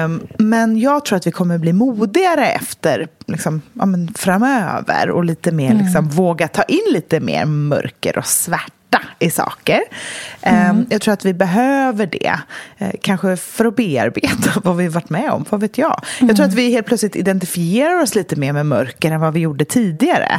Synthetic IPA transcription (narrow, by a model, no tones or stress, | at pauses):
mɛnjɑːɡt̪ʰɾuːat̪vɪkʰɔmːəɾbliːmuːd̪ɪɡaɾəɛ̰ft̪əɾlɪksɔmʔa̰ːmənfɾamøːvə̰ɾɔ̰liːt̪əmeːɾlɪksɔmvoːɡat̪ʰɑːʔɪnːliːt̪əmḛːɾmœ̰ɾkə̰ɾʔɔ̰svæʈːaɪsɑ̰ːkəɾ | jɑɡt̪ʰɾuːɾat̪vɪbɛɦøːvəɖɛ̰ | kʰanɧəfœɾɔbeːa̰ɾbeːt̪ʰavavɪhavaʈːmɛɔ̰mvaveːt̪ʰjɑ̰ːjɑt̪ɾuːat̪vɪɦeːl̚ʰlœt̪slɪt̪ɪd̪ɛnt̪ɪfɪeːɾaɾɔsliːt̪əmeːɾmɛmœɾkəɾɛnvavɪjuːɖət̪ʰiːd̪ɪɡaɾə̰